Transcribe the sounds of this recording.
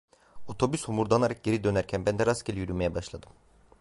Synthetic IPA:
o̞t̪ʰo̞byshumuɾd̪anaɾak̚ɟe̞ɾid̪ø̞næɾcʰænbænd̪ɛɾasɟelʲijyɾymejɛbaʃlˠad̪ɯm

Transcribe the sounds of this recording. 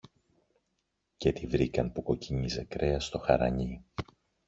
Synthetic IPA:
cet̪ivɾikɐnpuko̞ciɲize̞kɾe̞ɐst̪o̞xɐɾɐ̰ɲi

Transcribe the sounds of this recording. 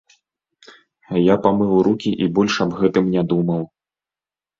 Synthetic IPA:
japamɨwɾukʲiʔibɔlʲʂɐbɣɛt̪ɨmnʲad̪umɐw

